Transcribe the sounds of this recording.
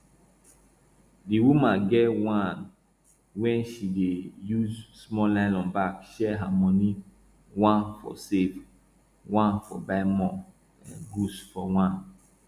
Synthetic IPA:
diwumãnɡɛwãn | wɛ̃nʃidejuzsmɔlãɪlɔ̃nbakʃɛɦamɔni | wãnfɔ̰sev | wãnfɔ̰baɪmɔ | ɛ̰̃nɡusfɔwãn

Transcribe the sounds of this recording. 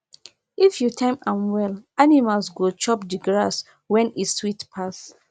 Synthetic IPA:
ifjutʰãɪ̃mãmwɛlanimalsɡot͡ʃɔpdiɡɹas | wɛ̃niswitpʰas

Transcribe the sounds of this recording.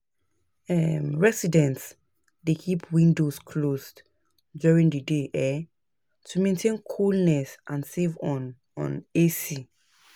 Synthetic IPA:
ɛmɹɛsidɛ̃nts | dekʰipʰwĩndoskʰlos | djuɹĩŋdədeʔɛ | tʰumẽntʰẽnkʰulnɛsʔãnsevɔn | ɔ̰̃nesi

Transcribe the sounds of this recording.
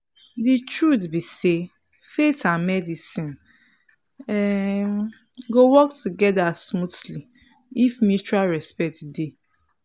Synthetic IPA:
ditɹutbise | fetãnmɛdisĩn | ɛ | ɡowɔktʰuɡɛdasmutli | ifmjut͡ʃualɹɛspɛk̚tde

